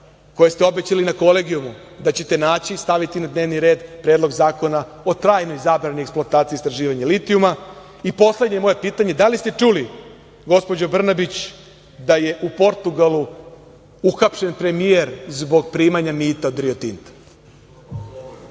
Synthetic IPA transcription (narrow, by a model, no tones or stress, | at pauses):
ko̞je̞st̪eo̞bet͡ɕalinako̞le̞ɡiumud̪at͡ɕe̞t̪e̞naːt͡ɕist̪aʋit̪inad̪ne̞ːʋniɾe̞ːd̪pɾe̞ːd̪lo̞ɡzaːko̞na | o̞t̪ɾaːjno̞jzaːbɾanojeksploat̪aːt̪siːst̪ɾaʒiːʋaɲalit̪iuma | ipo̞sle̞d̪ɲe̞mo̞ːje̞piːt̪aɲe̞d̪alist̪e̞t͡ʂuli | ɡo̞spo̞d͡ʑobr̩nabit͡ɕ | d̪aje̞ʔupo̞ɾt̪uɡalˠu | uxapʃe̞npɾe̞mie̞ɾzbo̞ɡ̚pɾiːmaɲamiːt̪aod̪ɾio̞t̪int̪